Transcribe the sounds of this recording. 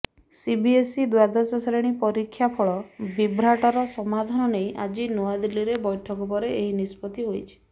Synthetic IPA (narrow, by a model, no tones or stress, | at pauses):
sibiesid̪wad̪ɔsɔsɾeɽ̃ipɔɾikʰːjapʰɔɭɔbibɾaʈɔɾɔsɔmad̪ʱanɔnejʔad͡ʒinuad̪ilːiɾebɔjʈʰɔkɔp̬ɔɾeeɦinispɔt̪iɦojt͡ʃʰi̥